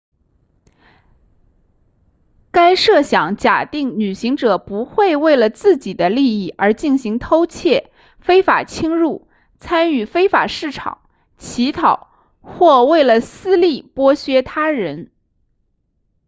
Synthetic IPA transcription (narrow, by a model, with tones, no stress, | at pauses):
ka˥ɪʂɤ˥˩ɕjɑ˨˩ŋt͡ɕja˨˩t̪i˥˩ŋny˨˩ɕi˧˥ŋʈ͡ʂɤ˨˩pu˧˥xwe˥˧ɪwe˥˩ɪlə˩t͡sɹ̩˥˩t͡ɕi˨˩d̪ə˦li˥˧i˥˩ə˞˧˥t͡ɕi˥˩nɕi˧˥ŋt̪ʰo˥ʊt͡ɕʰjɛ˥˩ | fe˥ɪfa˨˩t͡ɕʰi˥ŋɻu˥˩ | t͡sʰa˥ny˥˩fe˥ɪfa˨˩ʂɻ̩˥˩ʈ͡ʂʰɑ̰˨˩˦ŋ | t͡ɕʰi˧˥t̪ʰɑ˨˩˦ʊ | xwɔ˥˧we˥˩ɪlə˩sɹ̩˥li˥˩pwɔ˥ɕɥɛ˥t̪ʰa˥ɻə˧˥n